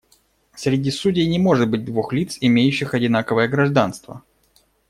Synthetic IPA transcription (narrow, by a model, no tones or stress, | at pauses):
sɾʲɪdʲisudʲɪjnʲɪmo̞ʐɨt̪̚bɨt̚ʲd̪vuxlʲit̪sɪmʲejʉɕːɪxɐdʲɪnakəvəjəɡɾɐʐd̪anst̪və̰